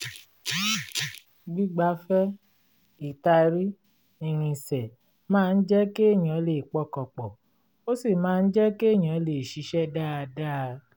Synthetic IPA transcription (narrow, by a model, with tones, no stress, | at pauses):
ɡ͡bi˦ɡ͡ba˧˦fɛ˦ | i˨ta˧ɾi˦ | i˨ɾ̃ĩ˧sɛ˨ | mãː˦˧n̩˦d͡ʒɛ˦ke˦˨j̃ã˨˦le˨k͡pɔ˦kɔ˨k͡pɔ˨ | o˦si˦˨mãː˦˧n̩˦d͡ʒɛ˦ke˦˨j̃ã˨˦le˨ʃi˨˦ʃɛ˦da˦a˧da˦˧